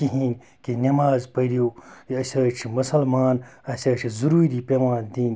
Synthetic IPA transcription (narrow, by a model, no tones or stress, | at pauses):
kiɦiːn | kinɐmaːzpɐɾioːiɐsɐːt͡ʃʰimɐsɐlmaːnɐsɐːt͡ʃʰizuɾuːɾiːpemaːnd̪iːn